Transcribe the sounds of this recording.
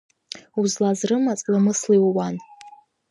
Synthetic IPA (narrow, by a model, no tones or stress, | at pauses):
uzlazrɨmat͡sʼlamɨsliwwan